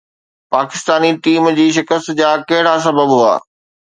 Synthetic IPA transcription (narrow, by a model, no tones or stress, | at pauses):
paːkɪst̪aːniʈiːmd͡ʑiːʃ̬ɪkəst̪d͡ʑaːkɐɦɪɽas̬ɐbəbɦua̰ː